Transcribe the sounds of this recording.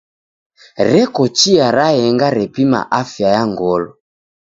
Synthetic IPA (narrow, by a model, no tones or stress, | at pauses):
ɾɛkɔt͡ʃiaɾajɛŋɡaɾɛpima̰ʔafjajaŋɡɔlɔ